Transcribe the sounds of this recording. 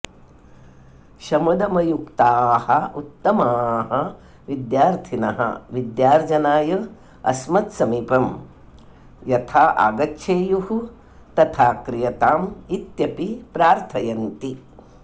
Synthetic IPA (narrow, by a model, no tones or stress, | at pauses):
ʃɐmɐd̪ɐmɐjukt̪aːhɐut̪ːɐmaːɦɐ̆ | ʋid̪jaːɾt̪ʰinɐ̰ɦɐ̰ʋid̪jaːɾd͡ʒɐnaːjɐ | ɐ̰smɐt̪sɐmiːpɐm | jɐt̪ʰaːʔa̰ːɡɐtːʃʰeːjuhu | t̪ɐt̪ʰaːkɾijɐt̪aːmit̪jɐpipɾaːɾt̪ʰɐjɐnt̪i